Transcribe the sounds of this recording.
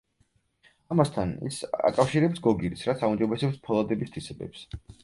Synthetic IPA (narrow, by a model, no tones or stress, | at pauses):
amast̪ʰanḭsa̰kʼafʃiɾɛpsɡɔɡiɾisɾat̪sʰaumd͡ʒɔbɛsɛpspʰɔlˠad̪ɛbist̪ʰisɛbɛ̰ps